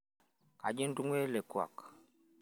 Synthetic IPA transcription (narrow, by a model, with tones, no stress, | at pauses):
ka˨d͡ʒi˦n̩˦du˦ŋwɛ˦lɛ˨kwa̰˨k